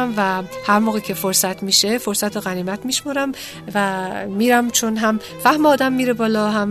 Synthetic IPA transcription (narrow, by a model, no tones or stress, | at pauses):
mvæhæɾmoːɣiːcʲʰe̞foɾsæt̪ʰmiːʃe̞foɾsæt̪ʰoɣæniːmæt̪miʃmoɾæm | væmiːɾæmt͡ʃʰonɦæm | fæhmeɒːd̪æmːiːɾebɒːlɒɦæm